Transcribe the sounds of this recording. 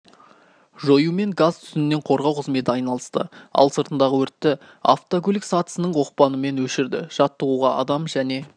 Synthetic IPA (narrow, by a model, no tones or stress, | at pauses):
ʒo̞jume̞ŋɡazt̪ʰʏ̥sɪnɪne̞ɴqʰo̞ɾʁɑwqʰəzme̞t̪ɪɑjnɑlˠəst̪ə̰ɑ̰lˠsəɾt̪ənd̪ɑʁəwɵɾt̪ːɪ | a̰ft̪okʲʰɵlɪksɑt̪ə̥sənəɴwo̞q̚pɑnəme̞nwɵʃɪɾd̪ɪ̰ʒ̥ɑt̪ːəʁuʁɑɑ̰d̪ɑmʒæne̞